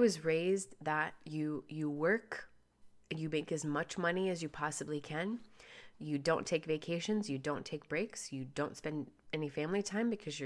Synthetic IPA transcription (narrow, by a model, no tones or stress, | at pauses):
wʌzɹeɪzðət͡ʃɨjɨwɜ˞k | ɨ̃njɨmeɪkɨzmʌt͡ʃmʌniɨzjɨpʰɑsɨblikʰɨ̃njɨdõʊ̃ntʰeɪkveɪkʰeɪʃɨ̃nzjɨdõʊ̃ntʰeɪk̚b̥ɹeɪksjɨdõʊ̃ntspɛ̃ndɛnifæ̃mlitʰãɪ̃mbɨkʰʌzjə